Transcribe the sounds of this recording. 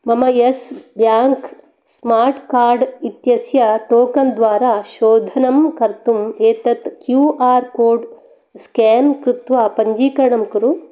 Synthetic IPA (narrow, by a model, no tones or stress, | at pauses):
mɐmɐjesbjaːŋk | smaːɾʈkaːɾɖit̪jɐsjɐʈoːkɐnd̪ʋaːɾaːʃoːd̪ʱɐnɐmkɐɾt̪umeːt̪ɐt̪kjuːaːɾkoːɾɖ | skaːnkɾut̪ʋɐpɐɲd͡ʒiːkɐɾɐɳɐmkɐɾu